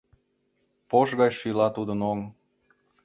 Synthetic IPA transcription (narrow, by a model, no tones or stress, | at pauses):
poʃɣɑjʃylɑt̪ud̪ə̆noŋ